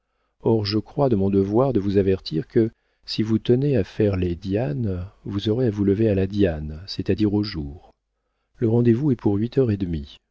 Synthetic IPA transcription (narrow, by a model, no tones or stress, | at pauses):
ɔʁʒəkχwad̪əmɔ̃d̪əvwaʁd̪əvuzavɛʁt̪ʰiʁkə | sivut̪əneafɛʁled̪janvuzɔʁeavuləvealad̪jansɛt̪ad̪iʁoʒuːʁ | ləʁɑ̃d̪evuɛpuʁɥit̪ʰœʁed̪mi